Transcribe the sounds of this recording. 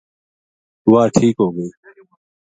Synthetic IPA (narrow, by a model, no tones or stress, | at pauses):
ʊwaːʈʰiːkɦoːɡəiː